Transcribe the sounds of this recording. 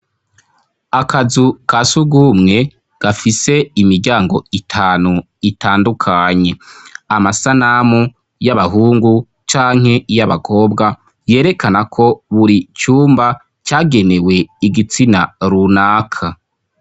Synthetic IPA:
akazukasuɡumŋe̞ | ɡ̥afise̞imiɾɟaːŋɡo̞itʰaːnu | itaːndukʰaɲe̞amasanamu | jaβaɦuːŋɡu | t͡ʃaːŋhe̞ijaβakʰo̞ːbɡa | je̞ːɾe̞kʰanakʰo̞βuɾit͡ʃuːmba | t͡ʃaːɡe̞ne̞we̞iɡit͡sinaɾunaːkʰa

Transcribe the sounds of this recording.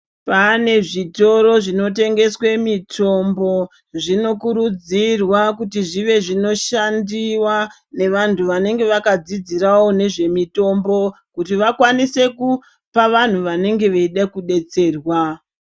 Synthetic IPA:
pane̞ʐito̞ɾo̞ʐino̞te̞ŋɡe̞swe̞mitʰo̞mbo̞ | ʐino̞kuɾud͡zirwakutiʐiʋe̞ʐino̞ʃandiwa | ne̞ʋantʰuʋane̞ŋɡe̞ʋakad͡zid͡ziɾawo̞ne̞ʐe̞mito̞mbo̞ | kutiʋakwanise̞ku | paʋan̤uʋane̞ŋɡe̞ʋeiɗakuɗe̞t͡se̞ːrwa

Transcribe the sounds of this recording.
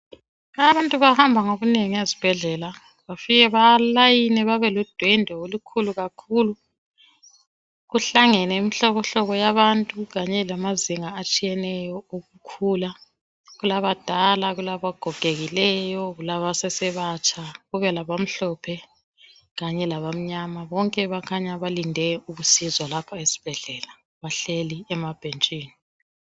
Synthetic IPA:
aβantʼuβahambʱaŋoɣuneŋiezib̥ʱɛɮɛla | βafiɣɛβalajinɛβaβɛlud̥ʱwɛndʱɔolukʰuluɣakʰuːlu | ɣuɬaŋɛnɛimiɬɔβɔɬɔɣɔjaβantʼuɣaɲɛlamaziŋaːt͡ʃʼijɛnɛjɔoɣukʰula | ɣulaβad̥ʱalaɣulaβaɡ̥ʱɔɡ̥ʱeɣilɛjɔɣulaβasɛsɛβat͡ʃʰʼaɣuβɛlaβam̩ɬɔpʰɛ | ɣaɲɛlaβam̩ɲamaβɔŋkʼɛβakʰaɲaβalindʱɛuβusizwalapʰaesi̥b̥ʱɛɮɛla | βaɬeliɛmab̥ʱent͡ʃʼiːni

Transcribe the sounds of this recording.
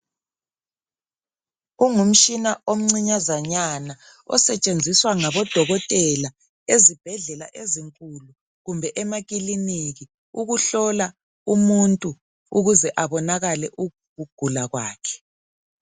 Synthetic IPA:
uŋum̩t͡ʃinaom̩ŋ͡ǀiɲazaɲana | ɔ̰sɛt͡ʃʼend͡zʱiswaŋaβɔd̥ʱɔɣɔtʼɛla | ezib̥ʱɛɮɛla̰ʔeziŋkʼulu | ɣumbʱɛʔɛmaɣ̬ʼiliniɣi | uɣuɬɔla | umuntʼu | uɣuzɛʔaβɔnaɣalɛʔu | ɣuɡ̥ʱulaɣwaːkʰɛ̥

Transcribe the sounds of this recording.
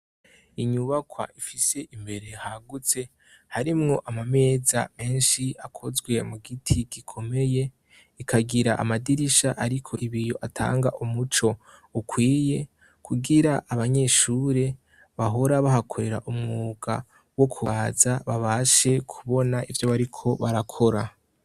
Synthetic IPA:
iɲuβakwa̰ʔifise̞ʔimbe̞ɾe̞haɡut͡se̞ | haɾimŋo̞ʔamame̞ːza̰me̞ːnʃiakʰo̞zɡwe̞muɡitʰiɡikʰo̞me̞je̞ | ikʰaɡiɾaʔa̰madiɾiʃaʔaɾikʰo̞ʔiβijo̞ʔatʰa̰ːŋɡa̰ʔumut͡ʃo̞ukwiːje̞ | kʰuɡiɾaʔːβaɲe̞ʃuːɾe̞ | βaɦo̞ɾaβahakʰo̞ɾe̞ɾa̰ʔumŋuːɡ̥a̰ | wo̞kʰuazaβaβaʃe̞kʰuβo̞naʔivjo̞βaɾikʰo̞βaɾakʰo̞ɾa

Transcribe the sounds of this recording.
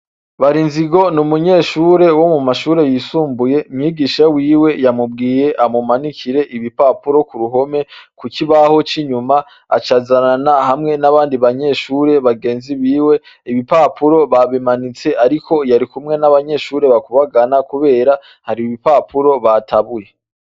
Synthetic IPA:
βaɾinziɡo̞numuɲe̞ʃuːɾe̞wo̞mumaʃuːɾe̞jisuːmbuje̞mŋiːɡiʃawiːwe̞jamubɡiːje̞ʔamumanikʰiɾe̞ʔiβipapuɾo̞kuɾuɦo̞me̞kukiβaho̞t͡ʃiɲuma | a̰t͡ʃazaɾanahamŋe̞naβaːndiβaɲe̞ʃuːɾe̞βaɡe̞ːnziβiːwe̞ | iβipapuɾo̞βaβimanit͡se̞ʔaɾikʰo̞jaɾikumŋe̞naβaɲe̞ʃuːɾe̞βakuβaɡanakuβe̞ːɾa | haɾiβipapʰuɾo̞βataβuje̞

